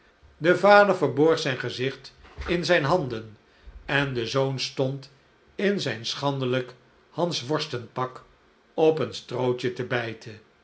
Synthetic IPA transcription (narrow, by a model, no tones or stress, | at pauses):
dəvaːdəɹvəɹbɔɹχsɛjnχəzɪχtɪnzɛjnɦɑndən | ɛndəzownstɔnt | ɪnzɛjnsχɑndələk | hɑnsʋɔɹstənpɑk | ɔpənstrowt͡ʃətəbɛjtʰə